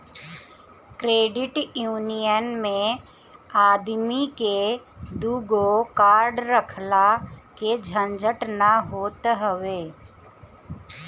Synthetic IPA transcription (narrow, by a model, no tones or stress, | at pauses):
kɾeːɖɪʈjuːnijənmẽ | aːd̪miked̪uːɡokaːɾɖɾəkʰlaked͡ʒʱə̃nd͡ʒʱəʈnaɦoːt̪ɦəʋeː